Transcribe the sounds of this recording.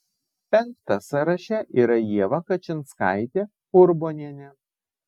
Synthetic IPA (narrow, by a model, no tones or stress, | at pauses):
pʲɛŋk̚t̪ɐsɐɾɐʃʲɛʔiːɾɐjiɛʋɐkɐt͡ʃʲɪnt̪skɐ̰ɪt̪ʲeː | ʊɾboːnʲiɛnʲɛ